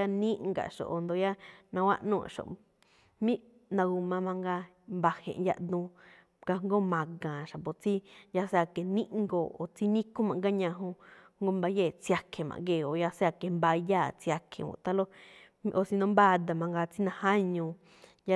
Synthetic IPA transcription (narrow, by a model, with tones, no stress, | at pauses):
a˦˧nĩ˦ŋɡa̰˨ʃo̰˨ʔo˨nd̪o˧ja˦nã˧wa̰˦ʔnũ˦ã̰˨ʃo̰˨ʔ | mĩ˦ | nã˧ɡu˧mã˧mã˧ŋɡa˧ | mba˧hḛ̃˨ʔja̰˧ʔd̪ũ˧ | ɡa˧ŋɡo˦mã˨ɡã˨ʃa˨pbo˨t͡si˦ja˧se˧a˧ke˨nĩ˦ʔŋɡo˧˨o˨t͡si˦nĩ˦kũ˦mã˨ŋɡa˦ɲã˧ɦũ˧ŋɡo˦mba˧je˦˨t͡si˧a˧kʰe˨mã̰˨ŋɡe˧˨o˨ja˧se˦a˧ke˨mba˧jaː˦˨t͡si˧a˧kʰḛ˧˨wõ̰˧˨˧t̪a˧lo˦ | m˧ʔo˧˨si˧nõ˧mba˦˧d̪a˧mã˧ŋɡa˧t͡si˦nã˧hã˦ɲũ˧ | ja˦